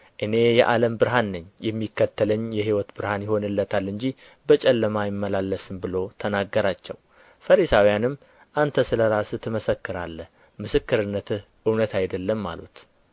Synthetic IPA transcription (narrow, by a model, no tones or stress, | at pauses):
ʔɨne̞jɛ̰ʔaləmbɨɾɦanːɨɲːjɛmːikːət̪ːələɲːjɛɦiwɔt̪bɨɾhanjɪho̞nɨlːət̪ʰalːɨɲd͡ʒi | bət͡ʃʼɛlːəmajɪmːəlalːəsɨmbɨlo̞t̪ʰənaɡːəɾat͡ʃːɛw | fəɾisawijanɨmː | ʔant̪ʰəsɨləɾasɨt̪ʰəməsəkːɨɾa̰lːə | mɨsɨkːɨɾɨnːət̪ʰɨ | ɨwnət̪ʰajd̪əlːəmːa̰lṵt̪